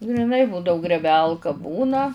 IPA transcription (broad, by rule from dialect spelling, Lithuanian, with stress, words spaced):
ɡrʲɪˈnɐɪ ˈbuːdɐʊ ɡrʲeːˈbʲɛlˠkɐ ˈbuːnɐ